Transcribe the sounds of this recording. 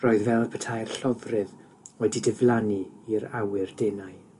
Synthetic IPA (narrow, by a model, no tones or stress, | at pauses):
rɔːɨðvɛlˠpʰətʰajr̥ɬɔvrɨð | wɛdidɪvlˠaniiɾawɨrdenaɨ